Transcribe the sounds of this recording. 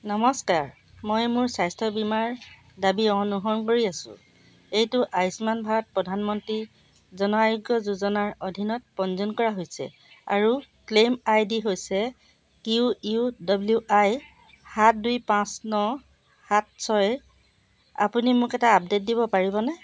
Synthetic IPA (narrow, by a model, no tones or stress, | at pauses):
nɔmɔskaɹ | mojmʊɹsajstʰɔbimaɹ | dabiɔnuɦɔnkoɹiasʊ̰̃ | ejtʊʔajsmanbʱat̚pɹɔdʱanmɔntɹi | zɔnɔajʊɡjɔzuzɔnaɹodʱinɔt̚pɔnzɔnkɔɹaɦojsɛ̰ | a̰ɹu | klemajdiɦojsɛ | kiuiudɔbljuʔaj | hat̚dujpãsnɔ | hat̚sɔj | a̰punimʊkɛtaːp̚det̚dibɔpaɹibɔnɛ